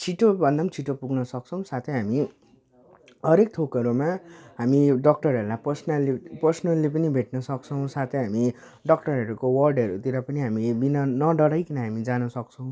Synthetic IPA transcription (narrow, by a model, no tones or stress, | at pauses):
t͡sʰiʈobʱʌnd̪ant͡sʰiʈopuɡnʌsʌk̚t͡sʰʌw̃sat̪ʰʌjɦami | ɦʌɾek̚t̪ʰokʌɾumaɦamiɖʌk̚ʈʌɾʌɾulajpʌrsnʌlepʌrsnʌlːep̬ʌnibʱeʈ̚nʌsʌk̚t͡sʰʌw̃sat̪ʰʌjɦami | ɖʌk̚ʈʌɾɦʌɾukowʌrɖʌɾut̪iɾʌpʌniɦamibinʌnʌɖʌɽʌjkinʌɦamid͡zanʌsʌkt͡sʰʌw̃